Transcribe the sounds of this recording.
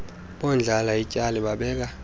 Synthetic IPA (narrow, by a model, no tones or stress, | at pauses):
ɓɔnd͡ɮʱalaicʼaliɓaɓɛːk̬a